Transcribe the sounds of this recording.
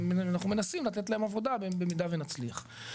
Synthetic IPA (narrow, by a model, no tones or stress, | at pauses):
anaχnume̞nasimlat̪et̪laemavo̞d̪abebemid̪avenat͡sliaχ